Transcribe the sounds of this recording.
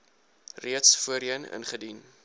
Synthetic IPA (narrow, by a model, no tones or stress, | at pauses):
riətsfuəɾənə̰nχədin